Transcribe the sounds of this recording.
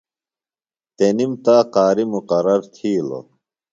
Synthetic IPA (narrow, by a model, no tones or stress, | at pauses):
t̪enimt̪aːqaːɾimuqɐɾɐɾt̪ʰiːlo̰